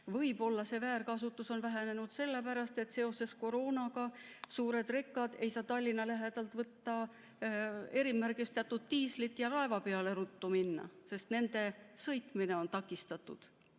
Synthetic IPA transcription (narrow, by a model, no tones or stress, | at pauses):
vɤjbo̞lːɑse̞væːrkɑsut̪ːˑuso̞nvæɦene̞nud̪̥se̞lːepæɾɑst̪e̞t̪ːse̞o̞se̞sko̞ɾo̞ːnɑɡ̥ɑsuːɾe̞d̪re̞kːˑɑd̪̥e̞jsɑːt̪ɑlʲːinɑlæɦe̞d̪̥ɑlt̪ːˑvɤt̪ːɑ | e̞ɾimærɡist̪eɑt̪ːut̪ːiːslit̪ːˑjɑɾɑe̞vɑpe̞ɑle̞ɾut̪ːuminːɑ̰se̞st̪ne̞nd̪̥e̞sɤjt̪mine̞o̞nt̪ɑkːˑist̪ɑt̪ːˑṵd̪̥